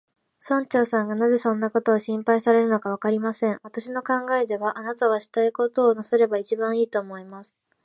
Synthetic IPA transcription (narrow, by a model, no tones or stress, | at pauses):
sõ̞ɲt͡ɕo̞ːsãŋɡanaze̞sõ̞nːako̞t̪o̞ːɕĩmpaisaɾe̞ɾɯ̟no̞kaβ̞akaɾʲimasẽ̞ɰ̃βat̪aɕino̞kãŋɡae̞d̪e̞βaʔanat̪aɡaɕi̥t̪aiko̞t̪o̞ːnase̞ɾe̞bait͡ɕibãɰ̃iːt̪o̞ːmo̞imasɨ̥